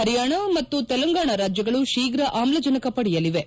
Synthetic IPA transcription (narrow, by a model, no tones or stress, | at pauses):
ɦɐɾjaːɳɐmɐt̪ːut̪ɛlɐŋɡaːɳɐɾaːd͡ʒjɐɡɐɭuʃiːɡɾɐʔaːmlɐd͡ʒɐnɐkɐpɐɽijɐliʋe̞